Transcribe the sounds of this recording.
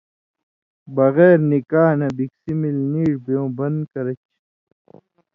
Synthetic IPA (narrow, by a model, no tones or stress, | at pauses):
bɐɣeːɾnikaːnɐbiksimilniːʈbjõːbɐnd̪kɐɾɐt͡ɕ